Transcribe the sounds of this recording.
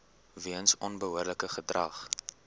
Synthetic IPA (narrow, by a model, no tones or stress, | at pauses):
viənsɔnbəɦuərdləkəχədrɐ̰χ